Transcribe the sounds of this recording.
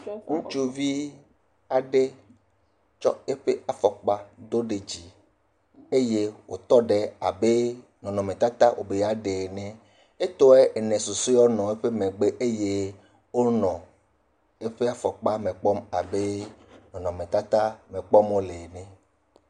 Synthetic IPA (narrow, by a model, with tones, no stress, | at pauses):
ŋũ˦t͡ʃu˦vi˦ | a˨ɖe˦ | t͡ʃɔ˦e˦ɸe˦a˨fɔ˨k͡pa˦d̪o˦ɖe˨d͡ʑi˨ | e˦je˦wo˨t̪ɔ˦ɖe˦a˨be˦ | nɔ̃˨nɔ̃˨mẽ˨t̪a˦t̪a˦wʔo̰˨be˨ja˨ɖe˨nɛ̃˦ | e˦t̪o˦e˦e˨nɛ̃˨so˨so˦jɔ˦nɔ̃˨e˦ɸe˦mẽ˨ɡ͡be˦ʔe˦je˦ | wo˦nɔ̃˨ | e˦ɸe˦a˦fɔ˨k͡pa˦mẽ˨k͡pɔ˦ma˨be˦ | nɔ̃˨nɔ̃˨mẽ˨t̪a˦t̪a˦mẽ˨k͡pɔ˦mo˦le˨nɛ̃˨